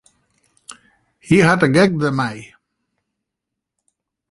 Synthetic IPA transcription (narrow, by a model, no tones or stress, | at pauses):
hiɦatəɡɛɡ̚ðəmaj